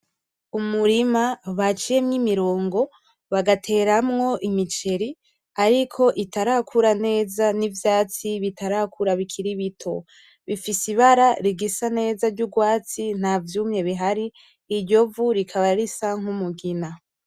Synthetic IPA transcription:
umuɾimaβat͡ʃije̞mɲimiɾo̞ːŋɡo̞ | βaɡatʰe̞ːɾamŋo̞ʔimit͡ʃe̞ɾi | aɾikʰo̞ʔitaɾakʰuɾane̞ːzanivjaːt͡siβitʰaɾakʰuɾaβikʰiɾiβitʰo̞̰ | βifisiβaɾaɾiɡisane̞ːzaɾɟuɡwaːt͡sin̥havjuːmɲe̞βiɦaɾiː | ɾɟo̞vuɾikʰaβaɾɾisaŋ̥humuɡina

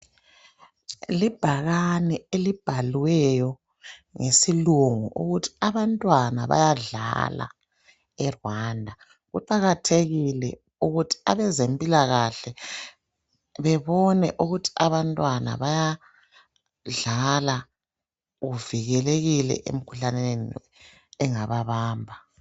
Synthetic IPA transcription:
lib̥ʱaɣanɛelib̥ʱalwɛjɔ | ŋesiluŋuʔuɣutʰi̥aβantʼwana̰βa̰jaɮa̰la̰ | ɛrwandʱa | ɣuǃaɣatʰeɣilɛ | uɣutʰi̥aβɛzempʼilaɣaɬɛ | βɛβɔnɛ̰ʔuɣutʰi̥aβantʼwana̰βaja | ɮala | ɣuviɣɛleɣilɛ̰ʔḛm̩ikʰuɬaneeni | ɛŋaβaβaːmbʱa

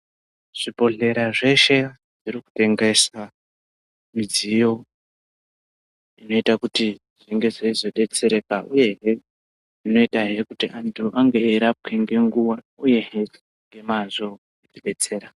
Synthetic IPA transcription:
ʐ̥ibo̞ɮe̞ɾaʐe̞ʃe̞ | ʐiɾiku̥te̞ŋɡe̞sa | mid͡zijo̞ | ino̞itakuti | ʐiŋɡe̞ʐeizo̞ɗe̞t͡se̞ɾe̞kaʔuje̞ɦe | ʐino̞itaɦe̞kutiʔantʰuʔaŋɡe̞ːɾap̚ke̞ŋɡe̞ŋɡuwa | uje̞ɦe | ŋɡe̞mazo̞ | itiɓe̞t͡se̞ːɾa

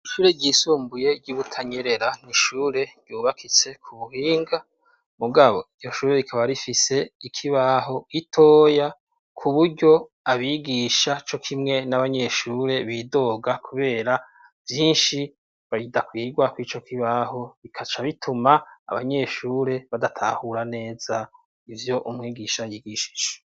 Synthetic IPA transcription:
iʃuːɾe̞ɟiːsuːmbuje̞ɾɟuβutʰaɲeɾe̞ɾan̥iʃuːɾe̞ɾ̥ɟjuːβakʰit͡se̞kʰuβuhiːŋɡa | muɡaβo̞iɟɟo̞ʃuːɾe̞βikʰaβaɾifise̞ikʰiβaɦo̞ɡitʰo̞ːja | kʰuβuɾɟo̞ | aβiɡiːʃat͡ʃo̞kʰimŋe̞naβaɲe̞ʃuːɾe̞βido̞ɡakʰuβe̞ːɾa | vjiːnʃi | βaɾidakwiːɡwakwit͡ʃo̞kiβaho̞βikʰat͡ʃaβitʰuma̰ːβa̰ɲe̞ʃuːɾe̞βadatʰa̰huɾane̞ːz̥a | ivjo̞ʔumŋiːɡiʃajiːɡiʃi̥d͡ʒe

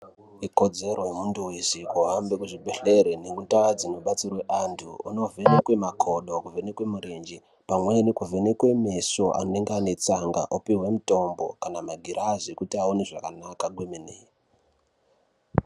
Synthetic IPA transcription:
iko̞d͡ze̞ɾo̞jemunduwesikuɦambekuʐiɓʱeɬeɾenemutad͡zinoɓat͡sirwe̞ʔantʰṵṵno̞venekwe̞makʰo̞ɗo̞kuvʱenekwe̞muɾend͡ʒi | pamwenikuvʱenekwe̞meso̞ʔa̰neŋɡane̞t͡saŋɡa̰ʔopiɦwe̞muto̞mbo̞̰kanamaɡʱiɾazekutiaoneʐakanakaɡwemene

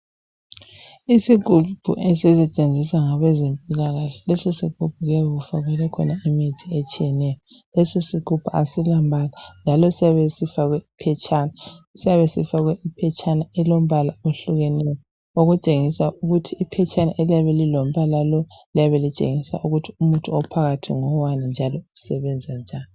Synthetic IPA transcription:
isiɡʱub̥ʱṵʔɛsɛsɛt͡ʃʼend͡zʱisaŋaβɛzempʼilaɣaɬɛ̥lɛsosikub̥ʱuɣaβɛɣufaɣwɛlɛkʰɔ̰naimitʰiet͡ʃʼijɛnɛjɔlɛsosikub̥ʰʱua̰silambʱaland͡ʒʱalɔsiaβesifaɣwɛipʰɛt͡ʃʰʼaːnasiaβesifaɣweipʰɛt͡ʃʰʼanaɛlom̩βalaoɬuɣɛnɛjɔ | oɣut͡ʃʼeŋisaʔuɣutʰiːpʰɛt͡ʃʰʼanaʔeliaβelilom̩βalalɔliaβelit͡ʃʼḛŋisa̰ʔuɣutʰiumutʼuɔpʰaɣatʰḭŋɔwanind͡ʒʱalɔuusɛβɛnd͡zʱand͡ʒʱaːni

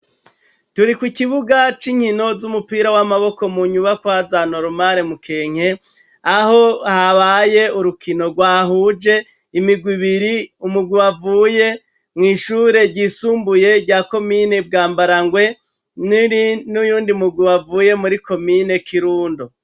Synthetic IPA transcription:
tuɾikwikiβuɡat͡ʃiɲ̥hino̞zumupiːɾawamaβo̞ko̞muɲuβakwazanoɾumaɾemukʰe̞ːŋ̥e̞ | aho̞haβaje̞uɾukʰino̞ɡwaːɦuːd͡ʒe̞ | imiɡwiβiɾiumuɡwiwavuːje̞ | mŋiːʃuːɾe̞ɾɟiːsuːmbuje̞ɾɟaːko̞mine̞b̚ɡaːmbaɾaŋɡwe̞ | nnujuːndimuɡwiwavuːje̞muɾikʰo̞mine̞kʰiɾuːndo

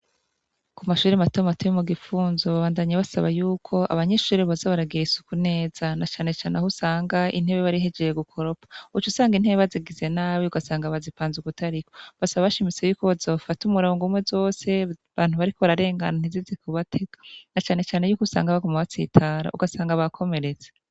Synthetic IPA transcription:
kumaʃuːɾematomatejomuɡifuːnzoβaβaːndaɲaβasaβajuːkʰo̞ʔa̰βaɲeʃuːɾeβazaβaɾaɡiɾisu̥kune̞ːz̥anat͡ʃaːne̞t͡ʃaːnʔehusaːŋɡaʔḭn̥he̞βeβaɾiɦed͡ʒejeɡukʰo̞ɾo̞pḁut͡ʃusaːŋɡin̥heβeβaziɡize̞naːβiuɡasaːŋɡaβazipaːnzuɡutaɾikoβasaβaβaʃimit͡se̞juːkoβazaufatumuɾoŋɡumwe̞zo̞ːse̞βaːn̥huβaɾiko̞βaɾaɾe̞ːŋɡanan̥izizikʰuβatʰeɡḁnat͡ʃaːne̞t͡ʃaːne̞juːksa̰ːŋɡaβaɡomaβat͡sḭtʰaːɾa̰ṵɡasaːŋɡaβakʰo̞me̞ɾet͡se̥

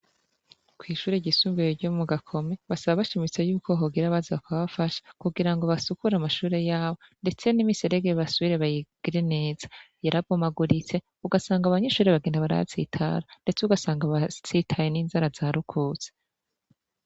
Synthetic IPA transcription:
kwiːʃuːɾeɟisuːmvejoɾɟomuɡakʰo̞me̞βasaβaβaʃimit͡sejuːko̞ɦoɡiɾaβaziβakaβafaʃḁkuɡiɾaŋɡo̞βasukuɾamaʃuːɾe̞jaːβo̞nde̞t͡se̞nimiseɾe̞ɡeβasuβiɾeβajiɡ̥iɾe̞ne̞ːz̥a | jaɾaɡomaɡuɾit͡se̞ | uɡasaːŋɡaβaɲe̞ʃuːɾeβaɡeːndaβaɾa̰t͡sḭːtʰa̰ɾande̞t͡seuɡasaːŋɡaβat͡sitʰajeniːnzaɾazaːɾukʰut͡se̥

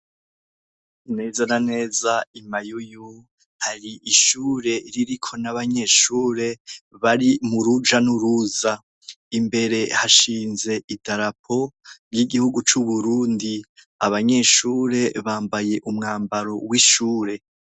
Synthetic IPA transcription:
ne̞zanane̞ːzaimajuju | haɾiʔiʃuːɾe̞ɾiɾikʰo̞naβaɲe̞ːʃuːɾe̞βaɾimuɾud͡ʒanuɾuza | imbe̞ɾe̞haʃiːnze̞ʔidaɾapʰo̞ɾjiɡihuɡut͡ʃuβuɾuːndi | aβaɲe̞ʃuːɾe̞βaːmbaje̞ʔumŋaːmbaɾo̞wiʃuːɾe̞

